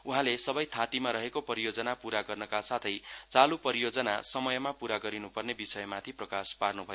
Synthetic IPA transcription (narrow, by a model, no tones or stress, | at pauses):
uɦãlesʌbʌjt̪ʰãt̪imaɾʌɦekopʌɾijod͡zʌnapuɾaɡʌrnʌkasat̪ʰʌjt͡salupʌɾijod͡zʌna̰sʌmʌjmapuɾaɡʌɾinupʌrnebisʌjmat̪ʰiprʌkasparnubʱʌjo